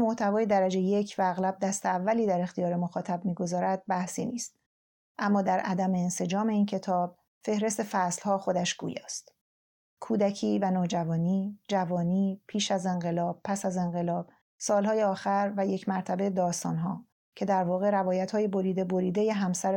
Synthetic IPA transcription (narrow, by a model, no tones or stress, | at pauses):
moht̪ʰævɒːje̞d̪æɾæd͡ʒe̞jjecʰvæːɣlæb̚d̪æst̪eævːæliːd̪æɾe̞xt̪ijɒːɾe̞mo̞xɒːt̪ʰæb̚miːɡo̞zɒːɾæd̪̥̚bæhsiːniːst̪̚ | ʔæmːɒːd̪æɾʔæd̪æme̞ːnse̞d͡ʒɒːme̞iːncʰe̞t̪ʰɒːb̥̚ | fe̞hɾe̞st̪e̞fæslhɒːxo̞d̪æʃɡ̥ṵːjɒ̰ːst̪ | kʰuːd̪æcʰiːvænɒːd͡ʒævɒːniːd͡ʒævɒːniːpʰiːʃæze̞ŋɢe̞lɒːb̥̚pʰæsæze̞ŋɢelɒːb̥̚ | sɒːlhɒːjeɒːxæɾvæje̞cʰmæɾt̪ʰæbe̞jed̪ɒːst̪ɒːnɦɒː | cʰe̞d̪æɾvɒːɣe̞ɾævɒːjæt̪hɒːje̞bo̞ɾiːd̪eboɾiːd̪eje̞ɦæmsæɾ